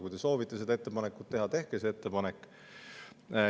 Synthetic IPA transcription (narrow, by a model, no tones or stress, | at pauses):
kujd̪e̞so̞ːvit̪ːˑe̞sed̪ɑe̞t̪ːepɑnekːˑut̪̚t̪ːeɦɑt̪e̞hkeseet̪ːe̞pɑnekːˑ